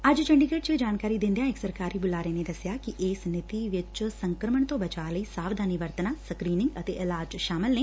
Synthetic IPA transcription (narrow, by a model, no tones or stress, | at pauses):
ɐd͡ʒt͡ʃəɳɖikeːʈ̚t͡ʃeːd͡ʒaːnkaːɾid̪ɪ̃nd̪ejãːɪksəɾkaːɾiːbʊlaːɾeːned̪ɐsjaːkiʔɪːsnɪt̪iʋɪt͡ʃsəŋkɾəməɳt̪õːbət͡ʃaːləiːsaːʋd̪ʱaːniʋəɾt̪naːsəkɾiːnɪ̃ŋɡət̪eːʔɪlaːd͡ʒʃaːmɪlneː